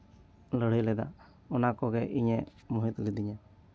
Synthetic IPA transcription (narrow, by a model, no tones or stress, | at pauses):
ləɽ̤ilɛd̪a̰ | ɔnakɔɡɛʔiɲɛmuɦit̪lid̪iɲa